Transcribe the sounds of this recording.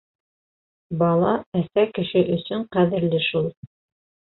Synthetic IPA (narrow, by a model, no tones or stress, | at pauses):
bɑlˠɑæsækɘ̆ʃɘʔɵ̆sɵɴqæðɘ̆ɾlɘʃulˠ